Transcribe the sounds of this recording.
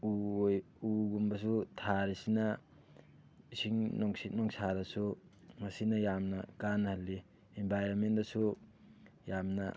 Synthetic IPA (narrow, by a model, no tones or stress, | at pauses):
uj | uɡumbɐs̬utʰaɾisina | isiŋnɔŋsit̚nɔŋsʰaɾɐsu | ŋɐsinɐjamnɐkanhɐlːi | embʱajɾonmentasu | jamna̰